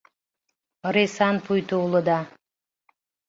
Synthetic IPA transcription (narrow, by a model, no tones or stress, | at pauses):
risɑnpʰujt̪uːlˠud̪ɑ